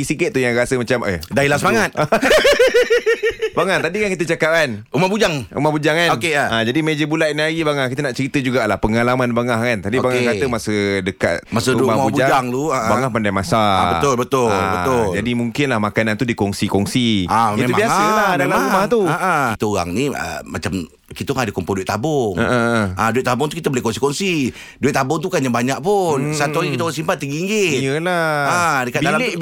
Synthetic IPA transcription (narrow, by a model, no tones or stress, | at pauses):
isikəːujaŋɾasəmat͡ʃaməhdailasəmaŋat̪̚a | baŋaht̪adikankit̪ət͡ʃakap̚kanumahbud͡ʒaŋṵmahbud͡ʒaŋanokead͡ʒadimed͡ʒəbulat̪̚niaɡibaŋahkit̪ənaʔt͡ʃəɾit̪əd͡ʒuɡalahpəŋalamanbaŋahkant̪apibaŋakaəmasədəka̰t̪̚masəumaabubud͡ʒad͡ʒaŋluabaŋahpandajmasabət̪ʊlbət̪ʊlbəʊld͡ʒadimuŋkɪnlahmakanant̪udikɔŋsikɔŋsiamtet̪umabiasəladamaumat̪uəʔəkit̪əoɣa̰ŋniə̰mat͡ʃam | kit̪əoaŋadəkɔmpɔduiɪʔt̪ːabʊŋə̰əʔaduɪʔ̚t̪abʊŋt̪̬ukit̪əbolehkɔŋsikɔŋsi | duɪʔ̪̚t̪ːabʊŋt̪̬ukaɲabaɲakʔpʊnsat̪uaɾikit̪əoɣaŋsimpat̪ːiɡiːŋɡɪɲəlaadəkat̪̚bdalae